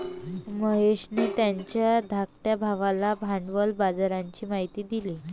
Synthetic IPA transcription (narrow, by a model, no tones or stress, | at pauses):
məɦeɕnet̪jaɲt͡ɕjad̪ʱakʈjabʱaʋalabʱaɳɖʋəlbad͡zaɾaɲt͡ɕiːmaɦit̪iːd̪ile